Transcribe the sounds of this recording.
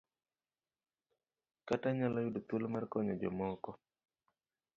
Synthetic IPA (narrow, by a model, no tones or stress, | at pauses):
kataɲalɔjudot̪ulmarkɔɲɔd͡ʒɔ̰mɔkɔ